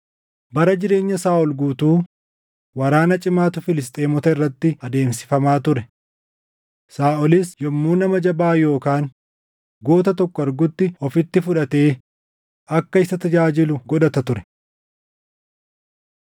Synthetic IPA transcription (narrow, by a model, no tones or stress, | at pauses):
bɐɾɐd͡ʒɪɾe̞ːɲːɐsaːʔɔlɡuːt̪uː | wɐɾaːnɐt͡ʃʼɪmaːt̪ʊfɪlɪst̪ʼeːmɔt̪ɐɪrːɐt̪ːɪɐd̪e̞ːmsɪ̥fɐmaːt̪ʊɾɛ | saːʔɔlɪsjɔmːuːnɐmɐd͡ʒɐbaːjo̞ːkaːn | ɡoːt̪ɐt̪ɔkːɔɐɾɡʊt̪ːɪɔfɪt̪ːɪfʊᶑɐt̪e̞ː | ɐkːɐɪsɐt̪ɐd͡ʒaːd͡ʒɪlʊɡɔᶑɐt̪ɐt̪ʊɾɛ̥